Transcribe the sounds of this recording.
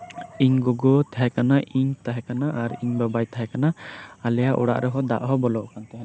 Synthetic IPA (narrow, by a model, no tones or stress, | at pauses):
iɲɡɔɡɔt̪ʰaɦɛkanaʔiɲt̪aɦɛkanaʔaɾiɲbabajt̪ʰaɦɛkanaalɛjaʔṵɽa̰ʔɾɛɦɔd̪a̰ʔɦɔbɔlɔʔkant̪ɛɦ